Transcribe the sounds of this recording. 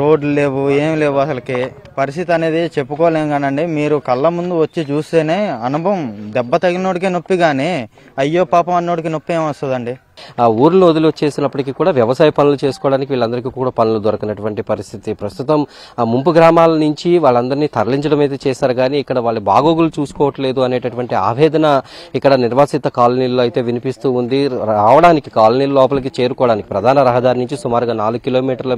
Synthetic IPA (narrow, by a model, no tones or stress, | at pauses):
ɾo̞ːɖluleːʋueːmle̞ːʋuɐsɐlɐki | pɐɾist̪ʰit̪iɐne̞ːd̪it͡ʃepːukɔːʋaleːmɡaːnɐɳɖimiːɾukɐlːɐmund̪uʋɐt͡ʃːit͡ʃuːst̪eːne̞ːɐnubʱɐmd̪ɛbːɐt̪ɐɡinoːɽik̬inopːiɡaːneː | ɐjːo̞ːpaːpɐmɐnːo̞ːɽik̬inopːieːmɐst̪ɐd̪ɐɳɖi | uːɾulɐnuod̪iluʋɐt͡ʃːe̞ːsinɐpːɐʈikiːkuːɽaːʋjɐʋɐsaːjɐpɐnulut͡ʃe̞ːsu̥kɔːɽaːnikiʋiːɭːɐnd̪ɐɾik̬iːkuːɽaːpɐnulud̪oɾɐkinɐʈuʋɐɳʈipɐɾist̪ʰit̪ipɾɐst̪ut̪ɐm | mumpuɡɾaːmaːlɐnuɲt͡ʃiʋaːɭːɐnd̪ɐɾiniːt̪ʰɐɾɐliɲt͡ʃɐɽɐmɐjt̪̬e̞ːt͡ʃɛːsaːɾuɡaːniːkːɐɽɐʋaːɭːubʱa̰ːɡoːɡulut͡ʃuːsu̥kɔːʋɐʈːɐle̞ːd̪uɐneːʈɐʈuʋɐɳʈia̰ːʋɛːd̪ɐnɐikːɐɽɐniɾʋaːsit̪ːɐkaːlɐniːloːɐjit̪e̞ːʋinipist̪uːund̪iɾaːʋɐɽaːnikikaːlɐniːlɐlɔːp̬ɐlɐk̬it͡ʃe̞ːɾukɔːʋɐɽaːniki̥pɾɐd̪ʱaːnɐɾɐɦɐd̪aːɾinuɲt͡ʃisumaːɾuɡaːnaːluɡkilo̞ːmiːʈɐɾlɐ